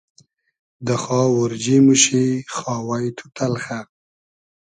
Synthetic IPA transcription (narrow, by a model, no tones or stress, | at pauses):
d̪əxɑwʊɾd͡ʒimuʃixɑwajt̪ʰu̥t̪ʰalxa